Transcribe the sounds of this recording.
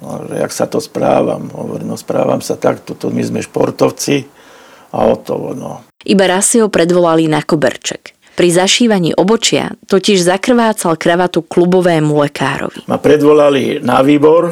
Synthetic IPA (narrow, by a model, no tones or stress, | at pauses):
ʒɛ̰a̰ksat̪ɔspɾaːʋa̰mɦɔ̰ʋɔɾimnɔspɾa̰ːʋa̰msat̪akt̪ɔt̪ɔmizmɛʃpɔɾt̪ɔʊt͡si | a̰ɔt̪ɔʋɔ̰nɔʔibaɾasːiɦɔpɾɛd̪ʋɔlalinakɔbɛ̰ɾt͡ʃɛk | pɾizaʃiːʋaɲiːʔɔbɔt͡ʃɪa̰t̪ɔciʒzakr̩ʋaːt͡salkɾaʋat̪uklubɔʋɛːmulɛkaːɾɔ̰ʋḭmapɾɛd̪ʋɔlalinaʋiːbɔɾ